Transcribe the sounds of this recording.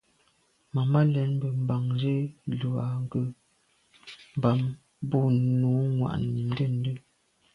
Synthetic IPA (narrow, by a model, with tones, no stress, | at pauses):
ma˨ma˦lɛ˨˦n˦bə˨m̩˨ba˨ŋd͡ʒe˦lu˨a˨ŋ˦ɡə˦˨ | m̩˨ba˨m | bo˦nuː˨˦ŋwa̰˨ʔn˨n̩˦də˦n̩˦də˦